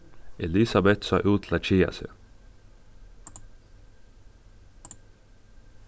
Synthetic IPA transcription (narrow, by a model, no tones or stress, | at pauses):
ɛlɪsɑbɛt̪sɑ̰ʔuːt̪ʰlɑt͡ʃiːɑ̰sə̰